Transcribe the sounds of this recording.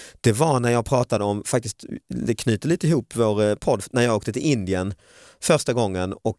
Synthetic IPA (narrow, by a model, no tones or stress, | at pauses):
d̪̥ɛvaɾnæɾjɑːɡ̚pʰɾɑːt̪ad̪əɔmfak̚t̪ɪst̪d̪ɛkʰny̟ːt̪əliːt̪əɪhuːpːvoːɾpʰɔd̪ːnæjɑːɡoːkt̪ət̪ʰɪlɪnd̪ɪən | fœɾʂʈaɡɔŋːənɔk